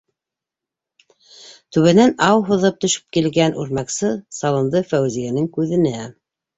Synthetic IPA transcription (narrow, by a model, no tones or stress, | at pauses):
t̪ʉβɘ̆nænɑwɦuðɤp̚t̪ɵ̆ʃɘ̥p̚kilɡænʔʉ̰ɾmæksɤsɑlˠɤ̆nd̪ɤfæwzijænɘŋkʉðɘ̆næ